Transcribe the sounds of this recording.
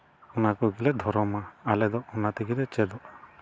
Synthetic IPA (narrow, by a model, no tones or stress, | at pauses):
ɔnakɔɡilɛd̪ʱɔɾɔmaalɛd̪ɔɔnat̪ɛɡid̪ɛt͡ʃɛd̪ɔʔ